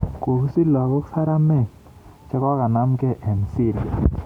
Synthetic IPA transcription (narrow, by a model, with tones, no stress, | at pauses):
ko˨ksi˦lɔ˨ɡɔ˦ksa˦ɾa˦mɛ˦˨ | t͡ʃɛ˦ka˦ka˨na˦mkɛ˦˨ʔɛ˨nsi˦˨ɾɡɛ̰˨